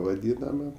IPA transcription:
ʋɐˈdʲiːnɐmɐ

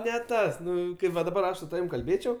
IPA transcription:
nʲɛ ˈtɐs ˈnʊ ʋɐ dɐˈbɐr ˈɐʃ sʊ tɐˈʋʲɪm kɐlʲˈbʲeːt͡ʃʲɛʊ

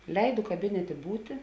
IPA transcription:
ˈlʲɛɪdʊ kɐˈbʲɪnʲɛtʲeː ˈbuːtʲɪ

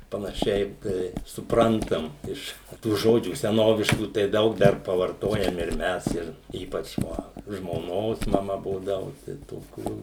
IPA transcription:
pɐnɐˈʃʲɛɪ ˈtɐɪ sʊˈprɐntɐm ˈɪʃ tuː ˈʒoːd͡ʒʲuː sʲɛˈnoːʋʲɪʃkuː tɐɪ ˈdɐʊk ˈdɐr pɐʋɐrˈtoːjɛm ɪr ˈmʲɛs ˈɪr ˈiːpɐt͡ʃ ʋɐ ʒmoːˈnoːs mɐˈmɐ ˈbuːdɐʋʊ tɐɪ toːˈkʲuː

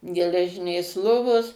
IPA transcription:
ɡʲɛlʲɛˈʒʲɪnʲeːs ˈlˠoːʋoːs

